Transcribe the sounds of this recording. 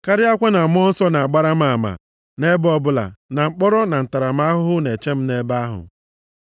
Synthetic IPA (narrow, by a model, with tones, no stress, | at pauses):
ka˦ɾɪ˦a˦kʷe˦na˨m˦ɔ˦n̩˦sɔ˦na˨a˨ɡ͡ba˦ɾa˦ma˨ma̰˨ | ne˦bɔ˦bʊ˦la̰˨na˨ŋ͡m̩˦k͡pɔ˦ɾɔ˦na˨n̩˨ta˨ɾa˨ma˦ɦʊ˦ɦʊ˦ne˨t͡ʃe˦m̩˦ne˦ba˦ɦʊ̰˨